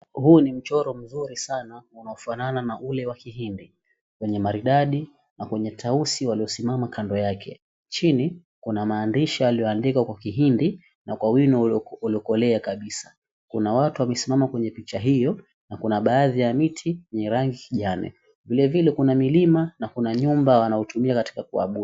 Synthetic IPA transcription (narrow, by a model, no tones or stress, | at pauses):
huːnim̩t͡ʃɔɾɔm̩zuɾisanaunaɔfanananaʔulɛwakiɦindi | kwɛɲɛmaɾiɗaɗi | nakwɛɲɛtʰausiwaliɔsimamakandɔjakʰɛ | t͡ʃini | kunamaːndiʃaaliɔandikakwakiɦindi | nakwawinɔuliɔkɔlɛakaɓisḁ | kunawatuwamɛsimamakwɛɲɛpit͡ʃaɦijɔ | nakunaɓaːðijamitʰikwɛɲɛɾaŋɡikiʄanɛ̰ | vilɛvilɛkunamilimanakunaɲumbawanaɔtumiakati̥kakua̰ɓu